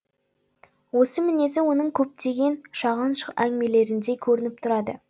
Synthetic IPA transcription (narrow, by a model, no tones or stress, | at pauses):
wo̞səmɪne̞zɪwo̞nəɴkʲʰɵp̚t̪e̞ɡʲe̞nʃɑʁənʃæŋme̞le̞ɾɪnd̪e̞kʲʰɵɾɪnɪp̚t̪ʰʊɾɑd̪ə